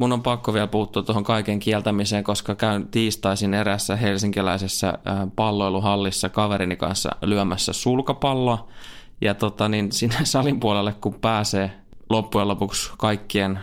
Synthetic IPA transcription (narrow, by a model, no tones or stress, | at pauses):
munːompɑkːoʋiælpuhut̪ːuɑt̪ːohoŋkɑikeŋkiɛlt̪æmiseːŋkoskɑkæynt̪iːst̪ɑisineɾæsːæhelsiŋkilæisesːæ̰pɑlːoeluhɑlːisːɑkɑʋeɾinikɑ̰nsːɑ̰lyæmæsːæ̰sulkɑpɑlːoɑjɑt̪ot̪ɑninsinːesɑlimpuolelːekkumpæːseː | lopːujelopukskɑikːien